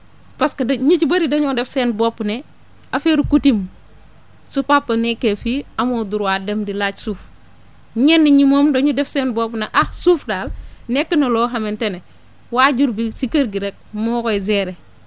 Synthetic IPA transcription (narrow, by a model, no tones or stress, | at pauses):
paskɐdɲit͡ʃbɐɾidɐɲodefseːnbopːne | afeɾukutim | supapːɐnekːefiamoːduɾwaːdemdilat͡ʃsuːf | ɲenːiɲimoːmdoɲudɛfsenbopneʔahsuːfdaːlnekːənɐloɦamentene | waːɟuɾbisikɐɾɡiɾek̚mokojzeːɾe